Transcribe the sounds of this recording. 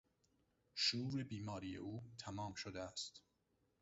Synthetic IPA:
ʃuːɾebiːmɒːɾiːjḛʔuːt̪ʰæmɒːmʃod̪eæst̪

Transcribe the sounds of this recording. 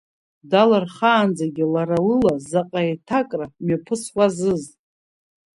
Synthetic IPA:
dalarχaːnd͡zaɡʲilaɾalɨlazaqʼajtʰakʼramapʰɨswazɨz

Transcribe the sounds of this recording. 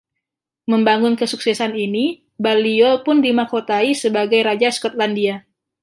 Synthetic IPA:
məmbaŋʊnkəsuk̚sɛsanini | baliɔlpʊndimakot̪aisəbaɡajɾad͡ʒaskɔt̪̚landia

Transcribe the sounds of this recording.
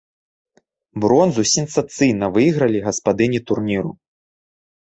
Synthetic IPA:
bɾɔnzusʲɛnsat̪sɨjnɐvɨjɣɾɐlʲiɣɐspad̪ɨnʲit̪urnʲiɾu

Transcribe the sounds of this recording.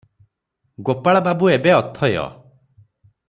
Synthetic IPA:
ɡopaɭababuebeɔt̪ʰːɔeɔ̰

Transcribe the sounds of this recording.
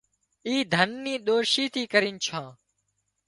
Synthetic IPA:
iːd̪ʱənːĩːɗ̪oːʃiːt̪ʰiːkəɾĩːnt͡ʃʰãː

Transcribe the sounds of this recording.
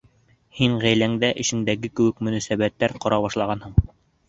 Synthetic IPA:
hiɴʁæjlæŋd̪æʔɘ̆ʃɘ̆nd̪æɡɘkɘ̆wɘ̆kmɵ̆næsæβæt̪ːæɾqŏɾɑβɑʃlˠɑʁɑnhɤɴ

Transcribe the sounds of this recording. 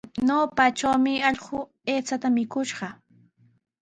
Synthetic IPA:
noːpat͡ʃawmɪɑʎɢʊ | eːt͡sat̪amɪkʊʃɢɑ

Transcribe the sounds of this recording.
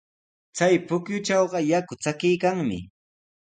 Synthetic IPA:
t͡sajpʊkjʊt͡ʃɑwɢɑjakʊt͡sakɪjkaŋmɪ̰

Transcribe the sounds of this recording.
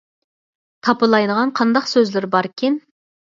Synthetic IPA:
t̪ʰɑpəlˠɑjd̪əʁɑnqʰɑnd̪ɑqsøzlɪɾbɑɾkʲʰen

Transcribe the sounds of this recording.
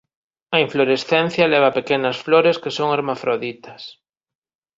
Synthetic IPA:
ɐiɱfloɾesθen̟θjɐlɛβ̞ɐpekenɐsfloɾeskesoŋaɾmafɾoðit̪ɐs

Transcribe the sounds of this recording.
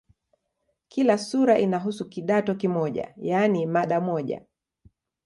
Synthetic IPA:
kilasuɾaʔinaɦusukiɗatɔkimɔʄa̰janimaɗamɔʄa̰

